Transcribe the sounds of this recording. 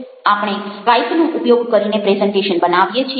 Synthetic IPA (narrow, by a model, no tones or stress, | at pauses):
apɳ̃eɾajtnõʔʊpjoɡkəɾinepɾezɛɳʈeʃənbənaʋjet͡ʃʰi